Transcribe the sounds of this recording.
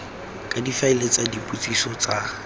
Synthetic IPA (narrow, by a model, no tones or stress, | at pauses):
kʼadifaɪlet͡sadipʼut͡sʼisɔt͡sa